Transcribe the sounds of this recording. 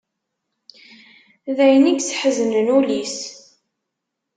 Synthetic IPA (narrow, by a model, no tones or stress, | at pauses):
ðæjəniɡsħəzənənulis